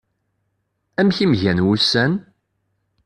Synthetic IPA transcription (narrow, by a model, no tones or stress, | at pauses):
æmçimʝænwusːæn